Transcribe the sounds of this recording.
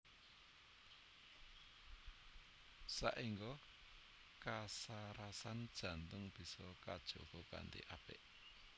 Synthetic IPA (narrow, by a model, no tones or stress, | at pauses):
saʔiŋɡɔ | kasaɾasand̥ʒ̥ä̤nt̪ʊŋb̥i̤sɔkad̥ʒ̥oɡ̥ɔka̰nt̪ḭʔapɪ̰ʔ